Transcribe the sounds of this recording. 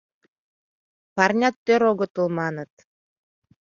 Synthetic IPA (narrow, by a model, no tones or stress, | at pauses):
parnʲat̪ːøɾoɡɤ̆t̪ɯlˠmɑnɤt̪